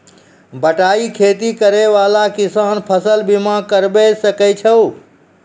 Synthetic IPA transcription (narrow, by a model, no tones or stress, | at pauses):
bəʈaːikʰeːt̪ikəɾeʋalakɪsaːnpʰəsəlbimãkəɾbɛsəkɛt͡ʃʰəw